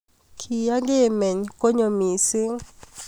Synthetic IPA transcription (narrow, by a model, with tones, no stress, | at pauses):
kʰi˨ja˦ɡɪ˦˨me˨ɲko˦ɲo˨mi˨sɪ˦